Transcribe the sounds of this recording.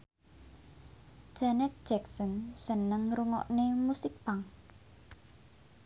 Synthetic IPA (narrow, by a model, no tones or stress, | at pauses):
d̥ʒ̥anɛt̪̚d̥ʒ̥ɛksɔnsənəŋɾuŋɔ̰ʔnemusɪk̚paŋ